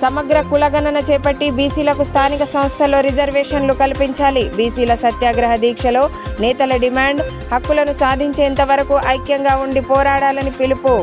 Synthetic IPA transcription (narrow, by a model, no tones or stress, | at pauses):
sɐmɐɡɾɐkulɐɡɐnɐnɐt͡ʃɛːpɐʈːibiːsiːlɐkust̪ʰaːnikɐsɐ̃mst̪ʰɐlo̞ːɾid͡ʒɐɾʋɛːʂɐnlukɐlipiɲt͡ʃaːlibiːsiːlɐsɐt̪jaːɡɾɐɦɐd̪iːkʂɐlo̞ːnɛːt̪ɐlɐɖimaːɳɖ | hɐkːulɐnusaːd̪ʱiɲt͡ʃeːnt̪ɐʋɐɾɐkuʔɐjkjɐŋɡaːuɳɖipɔːɾaːɽaːlɐnipilipu